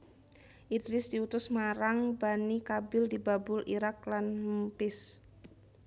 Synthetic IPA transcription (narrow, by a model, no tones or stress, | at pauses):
ʔidɾɪsdiut̪ʊsmaɾaŋbanikabɪldibabʊlʔḭɾak̚lanmmpɪs